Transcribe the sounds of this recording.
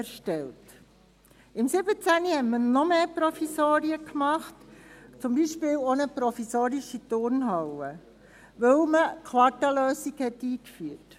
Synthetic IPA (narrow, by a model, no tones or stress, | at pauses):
ʃtɛlt | ɪmsɪbət͡sænihɛtmənɔmeːpɾɔfisoːɾiəkmɑχtt͡sʊmbiːʃpɪːlonəpɾɔfisoːɾiʃitʊɾnɦɑwə | ʋœwməkʰʋɑtɑløːsiɡhɛtːiːkfyət